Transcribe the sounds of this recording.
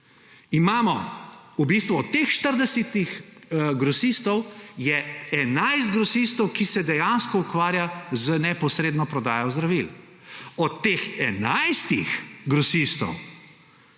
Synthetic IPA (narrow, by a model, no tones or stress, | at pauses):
imaːmɔubist̪ʋuɔt̪ːexʃt̪əɾd̪ɛsit̪ixɡɾɔsist̪ɔwjɛɛnajst̪̚ɡɾɔsist̪ɔwkisɛd̪ɛjanskɔukʋaːɾjazənɛpɔsɾeːd̪nɔpɾɔd̪aːjɔzd̪ɾaʋil | ɔt̪ːeːxɛnajst̪ixɡɾɔsist̪ɔ̰w